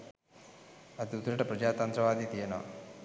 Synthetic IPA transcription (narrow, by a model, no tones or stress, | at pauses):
ɐt̪iut̪ɾɐʈɐpɾɐd͡ʒaːt̪ɐnt̪ɾɐʋaːd̪it̪iena̰